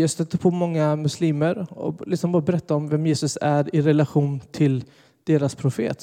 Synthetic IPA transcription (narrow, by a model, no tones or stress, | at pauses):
jɑːst̪œt̪ːəpʰoːmɔŋːamɵsliːməɾɔ̰lɪksɔmbɑːɾabɛɾɛt̪ːaɔmvɛmjeːsɵsæɾɪɾɛlaɧuːnt̪ʰɪl | d̪̥eːɾaspʰɾʊfḛːt̪